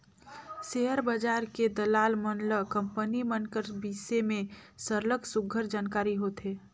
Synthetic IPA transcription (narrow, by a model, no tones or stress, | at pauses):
seɦəɾbəd͡ʒaːɾked̪əlaːlmənləkəmpənimənkəɾbiːsemẽsəɾləɡsʊɡʱəɾd͡ʒaːnkaːɾiɦot̪ɦeː